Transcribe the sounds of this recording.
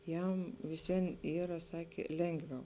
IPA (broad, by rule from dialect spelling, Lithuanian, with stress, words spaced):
ˈjɛm ʋʲɪs ˈʋʲiɛn ˈiːrɐ ˈsɑːkʲeː ˈlʲɛŋɡˌʋʲɛʊ